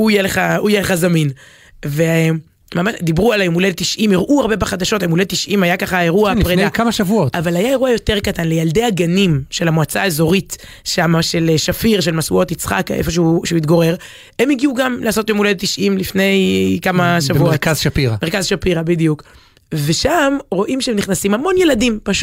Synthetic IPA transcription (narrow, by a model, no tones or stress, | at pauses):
uijeleχaujeleχazamin | ve | mamaʃd̪ibʁualemulelt̪iʃʔimiʁʔuaʁbebeχad̪aʃotaemulet̪iʃʔimajakaχaeʁuapʁedakamaʃavuotavalajae̞ʁuajo̞te̞ʁkatanle̞jald̪e̞jaɡanimʃe̞lamoat͡saezo̞ʁit | ʃamaʃe̞leʃafiʁʃelmasṵo̞t̪it͡sχa̰kḛfo̞ʃ̬euʃeuit̪ɡoʁe̞ʁ | emiɡiuɡamleaːso̞t̪jemulelt̪iʃʔimlifne̞jkamaʃavuotkazʃapiʁameʁkazʃapiʁabid̪ijuk | ve̞ʃamʁo̞ʔimʃeemniχnasimhamo̞nje̞ladimpaʃ